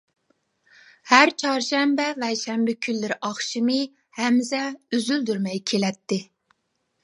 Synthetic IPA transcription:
hæɾt͡ʃʰɑɾʃɛmbɛvɛʃɛmbɪkʲʰylːɪɾʔɑχʃɨmɨ | hɛmːɪsɛyzyld̪yɾmɛjkʲʰelɛt̪ʰːɪ

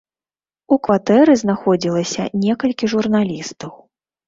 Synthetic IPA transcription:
ukvat̪ɛɾɨznaxɔd͡zʲilˠɐsʲɐ̰nʲɛkɐlʲkʲiʐurnalʲist̪ɐw

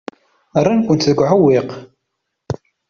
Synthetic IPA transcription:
ərˤːankʷʊnt̪ðəɡʷʕawiq

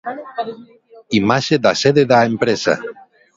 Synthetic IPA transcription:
imaʃed̪aseðeðaempɾesa̰

